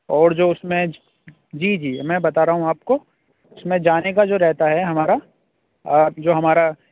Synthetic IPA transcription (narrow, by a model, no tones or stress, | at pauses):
ɔːɾd͡ʒoːʊsmẽ | d͡ʒiːd͡ʒiːmɛ̃ːbɐt̪aːɾɐɦũaːp̚ko | ʊsmẽd͡ʒaːnekad͡ʒoːɾɛɦt̪aɦɛɦɐmaːɾa | d͡ʒoːɦɐmaːɾa